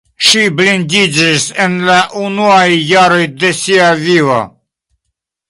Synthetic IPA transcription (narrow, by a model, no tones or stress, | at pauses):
ʃiblind̪id͡ʒisenlaʔunuajːaɾo̞jd̪e̞siavivo̰